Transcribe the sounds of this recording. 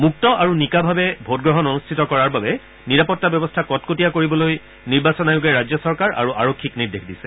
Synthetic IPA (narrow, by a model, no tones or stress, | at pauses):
muk̚tɔʔaɹunikabʱabɛbʱot̚ɡɹɔɦɔnonustʰitɔkɔɹaɹbabɛ | niɹapɔtːabɛbɔstʰakɔtkotijakoɹibɔloj | niɹbasɔnajʊɡɛɹazjɔsɔɹkaɹa̰ɹuʔaɹokʰːikniɹdexdisɛ